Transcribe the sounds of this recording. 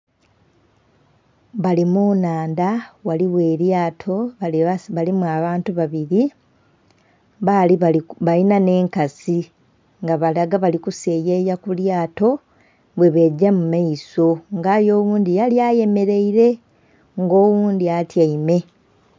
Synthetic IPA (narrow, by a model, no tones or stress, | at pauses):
βalimunaːndawaliwe̞ːɾjaːtʰo̞ | βalimuaβaːntuβaβiɾi | βaliβalinane̞ːŋkasi | ŋɡaβalaɡaβalikuse̞ːjeːjakuljaːto̞ | βwe̞βe̞ɟːamumaiso̞ŋɡaːjo̞ːwuːndijaljaje̞me̞ɾe̞iɾe̞ | ŋɡo̞ːwuːnd̪iatjaime̞